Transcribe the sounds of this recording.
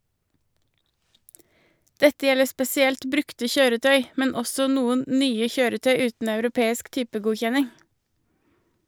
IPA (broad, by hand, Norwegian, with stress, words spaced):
ˈdɛtə ˈjɛlə spɛsɪˈɛlt ˈbɾʉktə ˈçøːɾəˌtœʏ ˈmɛn ˈɔsɔ ˈnuːən ˈnyːə ˈçøːɾəˌtœʏ ˈʉːtn̩ ɑʉɾʊˈpeːɪsk ˈtyːpəˌɡuːçɛnɪŋ